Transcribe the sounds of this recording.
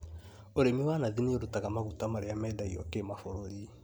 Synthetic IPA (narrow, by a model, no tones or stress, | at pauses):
oɾemiwanaðinioɾutaɡamaɡutamaɾejamɛdaiɔ̰kemafoɾoli